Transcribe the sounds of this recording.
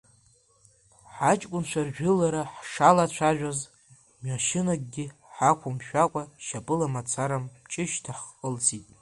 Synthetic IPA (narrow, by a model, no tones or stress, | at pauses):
ħat͡ʃʼkʷʼʊnt͡ʃʷʰarʒᶣʊlaɾaħʂalat͡ɕʷʰaʒᶣaz | mɥaʃɪnaɡ̚ʼɡʲɪħakʷʰʊmʃᶣakʷʼaʃapʼɨlamat͡sʷʰaɾamt͡ʃʼɪʃtʰaħqʼəlzitʼ